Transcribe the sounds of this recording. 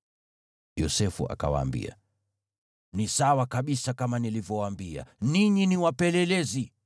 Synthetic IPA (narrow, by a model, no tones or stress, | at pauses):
jɔsɛfṵʔa̰ka̰wa̰ːmbḭa̰ | nisawakaɓisakamanilivjɔwaːmbia̰niɲiniwapɛlɛlɛzi